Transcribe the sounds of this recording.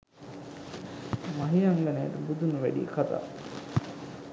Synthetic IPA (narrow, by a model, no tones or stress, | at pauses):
maɦiaŋɡaneːʈəbud̪unuʋæ̰ɖḭːkat̪a̰ː